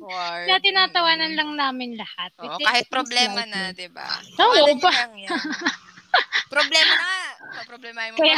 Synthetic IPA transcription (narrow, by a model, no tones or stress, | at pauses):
jɐt̪ɪnaːt̪ɐwaːnɐnlɐŋnaːmɪnlɐhat̪̚ɪaːhɪt̪̚ɾ | ʔoʔobɐ | pɾoblɛ | kɐja